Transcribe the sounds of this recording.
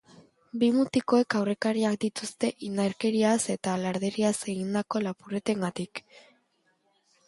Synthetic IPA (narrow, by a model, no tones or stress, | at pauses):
bimut̪iko̞e̞kawre̞kaɾiakd̪it̪ust̪e̞ʔinaɾke̞ɾiase̞t̪alaɾðe̞ɾiase̞ɣind̪ako̞lapure̞t̪e̞ŋɡat̪ik